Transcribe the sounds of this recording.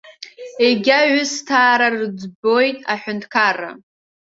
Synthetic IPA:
eɡʲaʒʊstʰaːɾarɨd͡zbo̞jtʼaħʷʊntʰkʰara̰

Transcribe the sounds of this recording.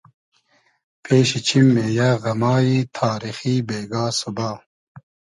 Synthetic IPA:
pʰeːɕit͡ɕʰimːeːjɐɣɐmaːjit̪ʰaːɾixiːbeːɡaːsubaː

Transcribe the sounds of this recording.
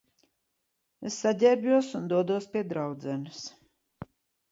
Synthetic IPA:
esːaɟʲɛbjuɔsund̪uɔd̪uɔspʲiɛd̪ɾawd̪zɛnɨs

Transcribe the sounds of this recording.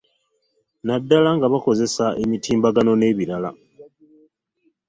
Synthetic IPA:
nadːalaŋɡaβako̞ze̞saʔemitʰiːmbaɡano̞ne̞ːβiɾala̰

